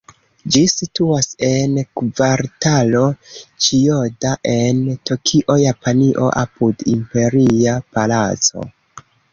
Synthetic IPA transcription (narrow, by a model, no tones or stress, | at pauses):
d͡ʒisituase̞nkvaɾtalo̞t͡ʃiodaʔe̞ntokʰiʔo̞japaniʔo̞̰ʔa̰pudimpe̞ɾiapalat͡so̞̰